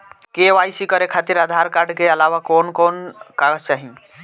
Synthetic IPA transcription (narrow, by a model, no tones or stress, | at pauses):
keʋajsikəɾekʰat̪iɾəd̪ʱaɾkaɾɖkeəlawakonkonkaɡət͡ʃaɦĩ